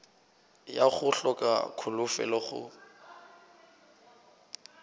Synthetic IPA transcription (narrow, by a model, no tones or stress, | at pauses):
jaχʊɬɔkʼa̰kʰʊlʊfɛ̰lɔχʊ̰